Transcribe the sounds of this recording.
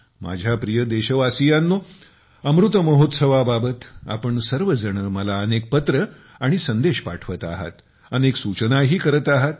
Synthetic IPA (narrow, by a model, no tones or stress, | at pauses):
ma̰d͡ʑʱjapɾijəd̪eɕəʋasijanːo | əmɾut̪əməɦot̪səʋababət̪a̰pəɳsəɾʋəd͡zəɳ̃əːməlaənek̚pət̪ɾə | aɽ̃isənd̪eɕpa̰ʈʰʋət̪a̰ɦa̰t̪ | əneksut͡ɕənaɦiːkəɾət̪aɦat̪